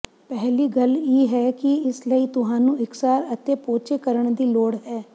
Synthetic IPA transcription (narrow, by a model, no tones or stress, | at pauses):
pɛɦliːɡəliːɦɛːkɪɪsləiːt̪ʊɦãːnũːɪksaːɾət̪eːpoːt͡ʃeːkəɾəɳd̪iːloːɽɦɛː